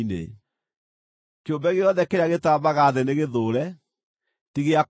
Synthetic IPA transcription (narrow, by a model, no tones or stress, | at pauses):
nḛ | keombɛɣeɔðɛkeɾeaɣetabaɣaðeneɣeðoːɾɛ | tiɣea